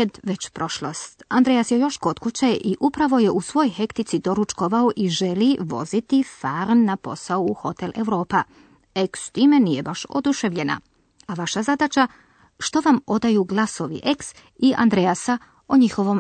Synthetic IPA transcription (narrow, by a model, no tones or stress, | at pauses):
ed̪ʋet͡ɕpɾo̞ʃlost̪and̪ɾejasjejo̞ʃko̞t̪kut͡ɕaʔiʔupɾaʋo̞je̞ʔusʋo̞jojxe̞kt̪it̪sid̪o̞ɾut͡ʃkoʋaoʔiʒe̞liʋo̞̰zit̪ifaɾnːapo̞sauːxo̞t̪ele̞̰ʋɾo̞ːpa | ekst̪iːme̞nijebaʃo̰d̪uʃeʋʎe̞na̰ | aʋaʃazad̪at͡ʃa | ʃt̪o̞ʋamo̞d̪ajuɡlˠaso̞ʋḭʔeks | iʔa̰nd̪ɾejasa | oɲixo̞ʋo̞m